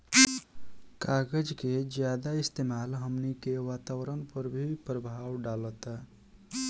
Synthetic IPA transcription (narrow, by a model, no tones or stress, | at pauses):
kaɡəd͡ʒked͡ʒjad̪aɪst̪emaːlɦəmnikeʋaːt̪awɾənpəɾbʱipɾəbʱaːwɖalət̪